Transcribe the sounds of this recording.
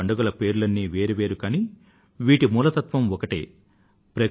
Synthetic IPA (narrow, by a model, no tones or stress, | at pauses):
ɐɳɖɐɡɐlɐpe̞ːɾulɐnːiːʋeːɾiʋe̞ːɾukaːni | ʋiːʈimuːlɐt̪ɐt̪ʋɐmɔkɐʈḛː | pɾɐ